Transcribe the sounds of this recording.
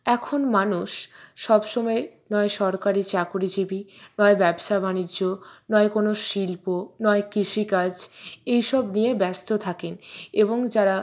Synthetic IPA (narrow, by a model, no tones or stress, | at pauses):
ɛkʰonmanuʃʃɔbʃomɔenɔeʃɔɾkaɾit͡ɕakuɾid͡ʑibinɔebɛbʃabanid͡ʑːonɔekonoʃilponɔekɾiʃikad͡ʑejʃɔbnijebɛst̪ot̪ʰakeneboŋd͡ʑaɾa